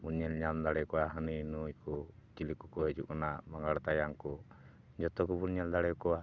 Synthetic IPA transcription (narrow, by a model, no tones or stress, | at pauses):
bunɲɛlɲamd̪aɽɛkɔaɦəninuikut͡ʃilikukɔɦɛd͡ʒukɔnaʔmaŋɡaɽt̪ajaŋku | d͡ʒɔt̪ɔkubunɲɛld̪aɽɛkɔa